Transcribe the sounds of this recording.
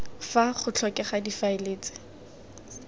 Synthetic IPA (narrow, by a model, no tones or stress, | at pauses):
faχʊt͡ɬʰɔkɛχadifaeleːt͡sɪ̥